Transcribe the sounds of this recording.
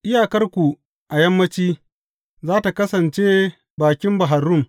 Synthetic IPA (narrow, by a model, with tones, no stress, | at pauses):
ʔɪ˦jaː˨kɐ˦rkʷu˨ | ʔa˨jɐ˦mːɐ˦t͡ʃiː˦ | zaː˦ta˨kɐ˦sɐ˨nt͡ʃeː˦ | baː˨kʲɪ˦mba˨ɦa˨rʊ˦m